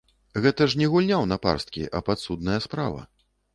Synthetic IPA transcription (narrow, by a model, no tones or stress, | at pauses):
ɣɛt̪ɐʂnʲɛɣulʲnʲawnɐpa̰rst̪̚kʲḭʔɐpat̪sud̪̚nɐjɐspɾa̰vɐ̰